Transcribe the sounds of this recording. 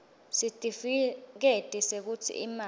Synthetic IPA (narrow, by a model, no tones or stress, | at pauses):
sitʼifik̬etʼisek̬utʰḭḭma